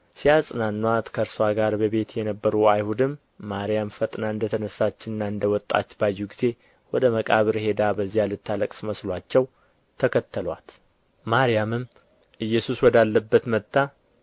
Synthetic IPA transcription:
sijasʼɨnanːwat̪kʰəɾswaɡaɾbəβe̞t̪jɛnəbːəɾuajhud̪ɨmː | aɾijamfət̪ʼnaɨnd̪ət̪ʰənəsːat͡ʃːɪnɨnːaɨnd̪əwɔt̪ʼːa̰t͡ʃːbajːuɡize̞ | wɔd̪əməkʼaβɨɾhe̞d̪abəzːijalɨt̪ʰːaləkʼsməslwat͡ʃːɛw | t̪ʰəkʰət̪ʰːəlwa̰t̪ | maɾijamɨm | ʔɨjːɛsuswɔd̪alːəbːət̪mət̪ːa

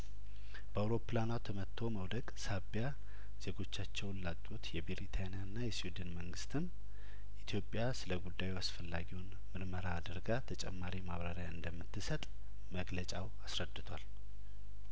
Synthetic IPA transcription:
b̥əawɾo̞planawt̪ʰəmət̪ʰːo̞məwd̪əɡsaβja | z̥e̞ɡo̞t͡ʃːat͡ʃːɛwnlatʼut̪jɛbeɾit̪ʰanijaɨnːajɛsiwid̪ɨnməŋɡɨst̪ʰɨm | ʔit̪ʰjo̞pʼːjasɨləɡud̪ːajuasfəlːaɡiwn | mɨɾməɾaːd̪əɾɡat̪ʰət͡ʃʼɛ̰mːaɾimaβɾaɾjaɨnd̪əmːɨt̪ʰːɨsət̪ʼ | məɡlət͡ʃʼawasɾəd̪ːɨt̪ʰwal

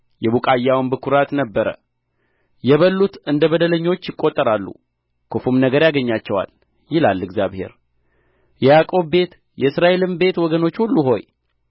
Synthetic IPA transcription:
jɛβukʼajːawnbɨkʰuɾat̪nəbːəɾə̰ | jɛβəlːut̪ɨnd̪əβəd̪ələɲːo̞t͡ʃːjɪkʼːo̞t̪ʼːəɾalːṵ | kʰofumnəɡəɾjaɡəɲːat͡ʃːɛwa̰l | jɪlalːɨɡzjaβhe̞̰ɾ | jɛjakʼo̞bbe̞t̪ | jɛɨsɾaʔe̞lɨmbe̞t̪wɔɡəno̞t͡ʃːhulːuɦo̞̰j

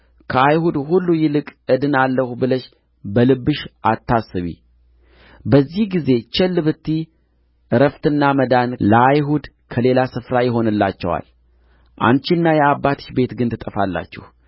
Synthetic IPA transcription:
kʰəajhud̪hulːujɪlɨkʼɨd̪ɨnalːəhubɨləʃ | bəlɨbːɨʃʔat̪ʰːasːɨβḭ | bəzːihɡize̞t͡ʃɛlːɨβɨt̪ʰːi | ɨɾəft̪ɨnːaməd̪anləajɦud̪ | kʰəle̞lasɨfɾajɪɦo̞nɨlːa̰t͡ʃːɛwa̰l | ʔa̰nt͡ʃɪnːajɛabːat̪ɨ̥ʃbe̞t̪ɡɨnt̪ʰɨt̪ʼəfalːa̰t͡ʃːɛh

